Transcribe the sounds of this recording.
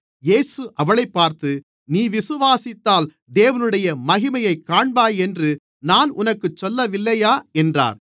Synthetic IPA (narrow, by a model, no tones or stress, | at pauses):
jeːsɯʔɐʋɐɭɐɪpːaːɾt̪ɯ | niːʋɪsɯʋaːsɪt̪ːaːl | d̪eːʋɐnɯɽɐjɐmɐɣɪmɐjɐɪkːaːɳbaːjɛndrɯ | naːnʔʊnɐkːɯt͡ʃːɔlːɐʋɪlːɐjaːɛndra̰ːɾ